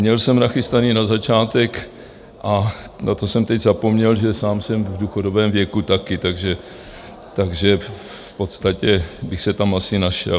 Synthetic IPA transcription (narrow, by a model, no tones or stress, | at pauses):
mɲɛlsɛmnaxɪst̪aniːnazat͡ʃaːt̪ɛk | ʔa | nat̪o̞sɛmt̪ɛɟzapo̞mɲɛlʒɛsaːmsɛmvduxodobɛːmvjɛkut̪akɪt̪aɡʒɛ | t̪aɡʒɛ | fpo̞t̪st̪acɛbɪxsɛt̪amasɪnaʃɛ̰l